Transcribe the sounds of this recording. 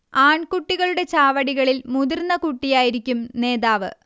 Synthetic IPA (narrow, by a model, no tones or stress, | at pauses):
aːɳkuʈːiɣɐɭuɽe̞t͡ɕaːʋɐɽiɣɐɭilmuðirnːɐkuʈːijaːjiɾikʲːumne̞ːðaːʋɨ̰